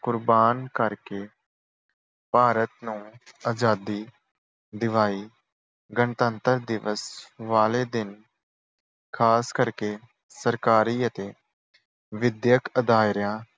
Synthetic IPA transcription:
kʊɾbaːnkəɾkeː | paːɾət̪nũːaːd͡ʒaːd̪iː | d̪ɪʋaːiː | ɡənt̪ənt̪əɾd̪ɪʋəsʋaːleːd̪ɪn | kʰaːskəɾkeː | səɾkaːɾiːət̪eː | ʋɪd̪jəkəd̪aːɾjãː

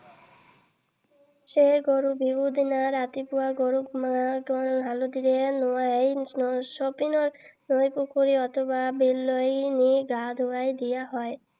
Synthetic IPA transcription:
seɡoɾubibud̪inaɾat̪ipuaɡoɾumaɡɔnɦalod̪iɾenɔajsɔpinɔɾ | nojpukuɾiɔt̪ʰɔbabilːɔjniɡad̪ʱuajd̪ijaɦɔe

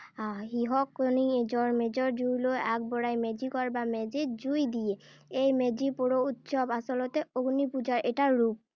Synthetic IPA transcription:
ɦiɦɔkonid͡ʒɔɹmed͡ʒɔɹd͡ʒujlojak̚bɔɹajmed͡ʑikɔɹbamed͡ʒed͡ʒujd̪ijeejmed͡ʒipoɾout̪sɔbasɔlɔt̪eoɡnipud͡ʑaɹeʈaːup̚

